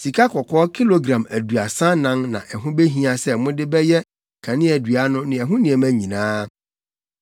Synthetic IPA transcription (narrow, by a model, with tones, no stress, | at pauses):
si˨kʰa˦kʰɔ˨kʰɔː˦kʰi˦lo˨ɡɾã˨mæ˨du˨a˨sã˦nã˦ŋnã̰˨ʔɛ˨ɦʊ̃˦be˦ɦĩ˦a˨sɛ˦mʊ̃˦dɪ˦bɛ˦jɛ˦ | kʰã˨nɪ̃˦ɛ˨du˨a˦nʊ̃˦nɪ̃˨ɛ˨ɦʊ̃˦nĩ˨ɛ˨mæ̃˦ɲĩ˨nãː˦